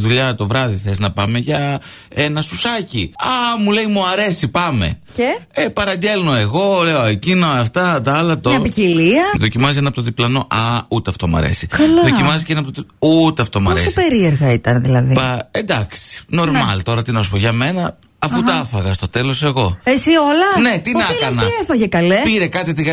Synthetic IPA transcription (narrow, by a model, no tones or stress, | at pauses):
ðuʎɐt̪o̞vɾɐðiθe̞znɐpɐme̞ʝɐ | e̞nɐsusɐciɐmule̞jmuɐɾe̞sipɐme̞̰ceepɐɾɐɲɟe̞lno̞e̞ɣo̞le̞oecinoɐft̪ɐt̪ɐɐlɐt̪oɐpiciliɐðo̞cimɐzienɐpot̪oðiplɐno̞ʔɐut̪eɐft̪o̞muɐ̰ɾḛsikɐlɐðo̞cimɐzicenɐpot̪out̪eɐft̪o̞mɐoɾseospe̞ɾieɾɣɐit̪ɐnðilɐðiɐend̪ɐksi̥no̞ɾmɐ̰lt̪o̞ɾɐt̪inos̬u̥poʝɐme̞nɐ | ɐfut̪ɐɐfɐɣɐst̪o̞t̪e̞lo̞se̞ɣo̞esiolɐne̞t̪inɐɐsnɐefɐʝekɐlepiɾe̞kɐt̪it̪iɣ